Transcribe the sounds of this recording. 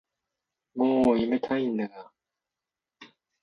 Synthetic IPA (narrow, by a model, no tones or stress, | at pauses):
moːimet̪ʰainːaa